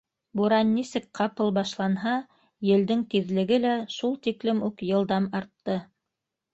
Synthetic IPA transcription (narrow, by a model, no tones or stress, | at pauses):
buɾɑnːisɘk̚qɑpɤlˠbɑʃlˠɑnɦɑ | jɘ̆ld̪ɘŋt̪iðlɘ̆ɡɘlæʃulˠt̪iklɘmʉkjɤ̆lˠd̪ɑmɑɾt̪ːɤ